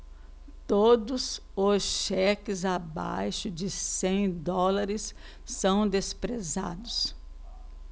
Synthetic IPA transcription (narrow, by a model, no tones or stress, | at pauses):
t̪od̪ʊzʊsʃɛkɪzaba̰jʃʊd͡ʒɪsẽj̃d̪ɔlaɾɪsː | ɐ̃w̃d̪espɾeza̰d̪ʊs